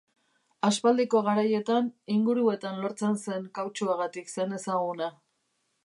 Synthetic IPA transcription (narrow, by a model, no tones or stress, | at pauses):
aspald̪eko̞ɣaɾaje̞t̪aniŋɡuɾue̞t̪anlo̞ɾt͡se̞nse̞ŋkawt͡ʃuaɣat̪ikse̞ne̞saɣ̞una